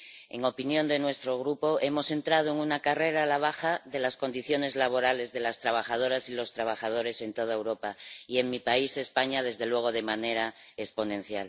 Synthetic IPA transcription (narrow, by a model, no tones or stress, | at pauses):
e̞̰ŋo̞pinjo̞nd̪e̞nwe̞st̪ɾoɣ̞ɾupo̞ʔe̞mo̞se̞nt̪ɾað̞oeŋunakare̞ɾalaβ̞axaðe̞lasko̞nd̪iθjo̞ne̞zlaβo̞ɾale̞zðe̞last̪ɾaβ̞axað̞o̞ɾasilo̞st̪ɾaβ̞axað̞o̞ɾe̞se̞nt̪o̞ð̞aewɾo̞paie̞ŋmipaise̞spaɲað̞e̞zðe̞lwe̞ɣ̞o̞ð̞e̞mane̞ɾa | espo̞nẽ̞n̟θja̰l